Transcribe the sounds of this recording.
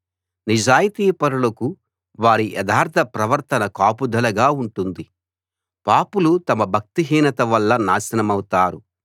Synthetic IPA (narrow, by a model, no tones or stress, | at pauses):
nid͡ʒaːjit̪iːpɐɾulɐku | ʋaːɾiʔɛd̪ʱaːɾt̪ʰɐpɾɐʋɐɾt̪ɐnɐkaːpud̪ʱɐlɐɡaːuɳʈund̪i | paːpulut̪ɐmɐbʱɐk̚t̪iɦiːnɐt̪ɐʋɐlːɐnaːsɐnɐmɐwut̪aːɾu